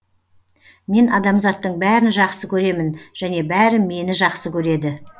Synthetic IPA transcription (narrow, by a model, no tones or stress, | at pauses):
me̞nɑd̪ɑmzɑt̪ːəɴbæɾɪnʒɑqsəkʲʰɵɾe̞mɪnʒ̥æne̞bæɾɪme̞nɪʒɑqsəkʲʰɵɾe̞d̪ɪ